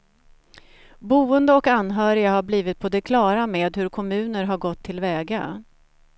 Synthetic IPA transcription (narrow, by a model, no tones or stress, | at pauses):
buːənd̪əɔkanːɦœːɾɪɡaɦaɾbliːvɪt̪̚pʰod̪ɛkʰlɑːɾameːd̪hɵɾkʰɔmʉ̟ːnəɾɦaɾɡɔt̪ʰːɪlvɛːɡa